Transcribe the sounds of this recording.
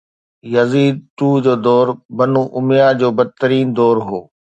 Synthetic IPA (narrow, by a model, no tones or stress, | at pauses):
jɐziːd̪̚t̪uːd͡ʑoːd̪ɔːɾbɐnuʔʊmɪjad͡ʑoːbɐd̪̚t̪əɾiːnd̪ɔːɾɦoː